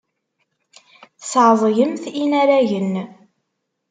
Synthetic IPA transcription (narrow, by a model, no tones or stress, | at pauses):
θəsʕzˤʝəmθinæɾæʝən